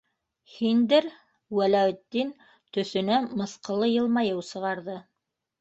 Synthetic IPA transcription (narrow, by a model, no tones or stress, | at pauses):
hind̪ɘɾ | wælæw̆t̪ːin | t̪ɵ̆θɵ̆næmɤ̆θqɤ̆lˠɤjɤ̆lˠmɑjɤwsɤ̆ʁɑɾðɤ